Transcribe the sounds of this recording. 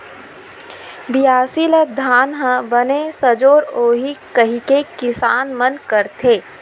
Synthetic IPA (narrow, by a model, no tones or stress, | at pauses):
bijaːsiləd̪ʱaːnɦə̃bənesɐd͡ʒoːɾoːɦikəɦikekɪsaːnmənkəɾt̪ʰeː